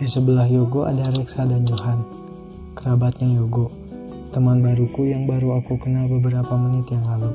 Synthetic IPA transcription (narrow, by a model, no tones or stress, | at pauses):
disəbəlahjoɡoʔa̰daɾɛksadand͡ʒoɦan | kəɾabat̪̚ɲajoɡo | t̪əmanbaɾukujaŋbaɾuakukənalbəbəɾapamənɪt̪jaŋlalu